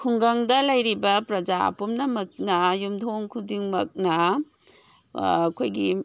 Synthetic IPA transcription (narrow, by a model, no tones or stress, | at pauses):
kʰuŋɡɐŋdɐlɐjɾibɐpɾɐd͡ʒa̰pumnɐmɐk̚nɐjumdʰoŋkʰudiŋmɐk̚nɐ | kʰojɡi